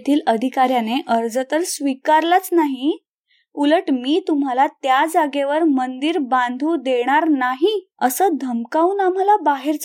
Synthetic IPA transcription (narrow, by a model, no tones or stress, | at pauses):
t̪ʰiːləd̪ʱikaɾjaneʔəɾd͡zət̪əɾsʋikaɾlat͡snaɦi | uləʈmiːt̪um̤alat̪jad͡zaɡeʋəɾmənd̪iɾbãnd̪ʱud̪eɽ̃aɾnaɦiəsəːd̪ʱəmkaunam̤alabaɦeɾt͡s